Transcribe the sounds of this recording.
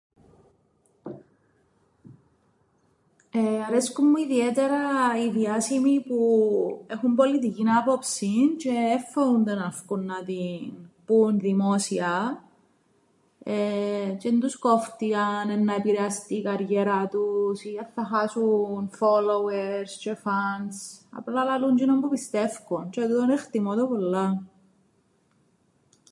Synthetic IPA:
eɐɾe̞skumːuiðiet̪eɾɐiðiɐsimipue̞xumbo̞lit̪icinɐpo̞psint͡ʃe̞ːfːeund̪enɐfkunːɐt̪inpunðimo̞siɐ | et͡ʃend̪uskoft̪iɐnenːɐepiɾeɐst̪iːkɐɾʝeɾɐt̪usiɐθɐxɐsunfoloweɾst͡ʃefɐnsɐ̰plɐlɐluɲd͡ʒinombupist̪e̞fkunt͡ʃet̪ut̪onext̪imot̪opolːɐ

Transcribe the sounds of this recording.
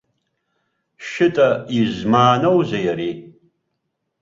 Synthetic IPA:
ʃɪtʼɐiʑmaːnowzɐjaɾiː

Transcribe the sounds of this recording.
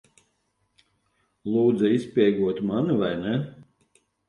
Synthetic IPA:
lˠuːd̪zɨispʲiɛɡuɔt̪manuvajnɛ

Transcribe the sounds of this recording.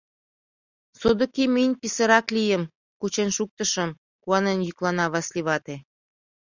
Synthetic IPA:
sod̪ŏkimənʲpisə̆ɾɑklijə̆m | kut͡ɕenʃuk̚t̪ə̆ʃə̆m | kuɑnenjyklɑnɑβɑslʲiβɑt̪e

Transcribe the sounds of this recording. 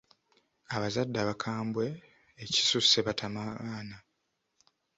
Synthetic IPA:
aβazadːaβakʰaːmbwe̞ː | ci̥susːe̞βatʰamaβaːna

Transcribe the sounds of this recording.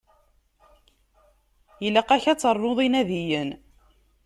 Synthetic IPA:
jəlːæqæçæt͡sːərˤːoðˤinæðijən

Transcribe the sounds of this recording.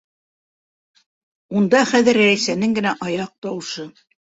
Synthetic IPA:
und̪ɑχæðɘ̆ɾɾæjsænɘŋɡɘ̆næʔɑjɑq̚t̪ɑwʃɤ

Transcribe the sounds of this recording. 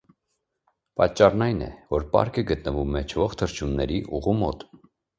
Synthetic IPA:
pɑt͡ʃːɑrnɑjnɛ̰vɔɾpɑ̰ɾkəɡət̪nəvumɛt͡ʃʰvɔχt̪ʰəɾt͡ʃʰunːɛɾiʔuʁumɔt̪

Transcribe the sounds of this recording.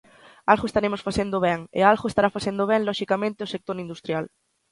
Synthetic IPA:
alɣoest̪aɾemosfaθend̪ʊβɛŋḛalɣʊest̪aɾafaθend̪oβ̞ɛŋlɔʃikamẽnt̪ɪosek̚t̪oɾind̪ust̪ɾjal

